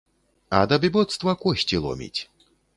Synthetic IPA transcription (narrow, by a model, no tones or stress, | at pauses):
ɐd̪ɐbʲibɔt̪st̪vɐkɔɕʲtʲilˠɔ̰mʲḭt͡sʲ